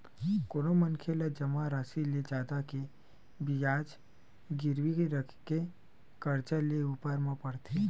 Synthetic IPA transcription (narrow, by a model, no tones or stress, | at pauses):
koːnomənkʰelad͡ʒɐmaɾaːsiled͡ʒaːd̪ake | bijaːd͡ʒ | ɡɪɾwiɾəkʰke | kəɾt͡ʃəleupəɾmãpəɽt̪ʰe